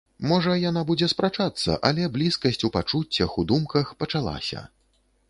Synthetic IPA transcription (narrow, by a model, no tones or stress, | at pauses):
mɔʐɐjanabud͡zʲɛspɾat͡ʂat̪sːɐ̰ʔɐlʲɛblʲiskɐsʲt͡sʲupat͡ʂut͡sʲːɐxud̪umkɐxpɐt͡ʂalˠa̰sʲɐ̰